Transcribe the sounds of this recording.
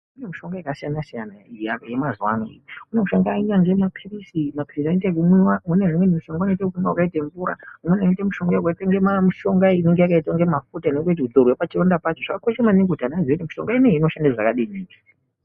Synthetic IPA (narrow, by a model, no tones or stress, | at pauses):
une̞muʃo̞ŋɡajakasijanasijanaijaje̞mazwa̰no̰ḭjiune̞muʃoŋɡainaŋɡe̞mapʰirisimapirisanetekumwauneɦumwenimuʃo̞ŋɡauneitekufuŋɡaakaitaɱvuɾa̰umwenanitemuʃo̞ŋɡajukaitaŋɡemamiʃo̞ŋɡaineŋɡe̞jakaitaŋɡe̞mafutainekwetiud̪orwepat͡ʃirondapat͡ʃoʐakakoʃemaniŋɡutanazoitimiʃo̞̰ŋɡaineino̞ʃandaʐakaɗiniːki̥